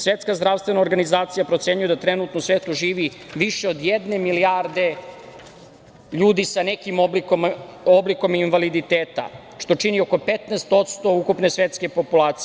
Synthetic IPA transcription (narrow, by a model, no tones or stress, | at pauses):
sʋet̪skazd̪ɾaʋst̪ʋenaoɾɡanizaːt̪sijapɾot̪se̞ɲujed̪at̪ɾenut̪nosʋeːt̪uʒiːʋiʋiʃeo̞d̪jed̪ne̞miliaɾd̪e̞ | ʎuːd̪isanekimoikomobliko̞minʋalid̪it̪eːt̪a̰ | ʃt̪o̞t͡ʃinio̞ko̞pet̪neːst̪o̞t̪st̪o̞ukupne̞sʋet̪ske̞po̞pulaːt̪si